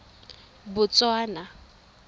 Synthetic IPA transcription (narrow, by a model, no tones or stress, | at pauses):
bʊt͡sʼwaːna